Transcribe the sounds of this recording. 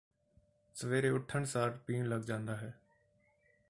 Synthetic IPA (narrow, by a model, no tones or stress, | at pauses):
səʋeːɾeːʊʈʰəɳsaːɾpiːɳləɡd͡ʒãːnd̪aːɦɛː